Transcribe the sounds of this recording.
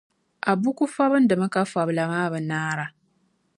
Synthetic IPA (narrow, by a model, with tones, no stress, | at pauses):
ʔa˨bu˦ku˦fa˦bɨ˦n˦dɨ˨mɨ˦ka˦fa˨bla˨maː˦bɨ˨naː˦ɾa˦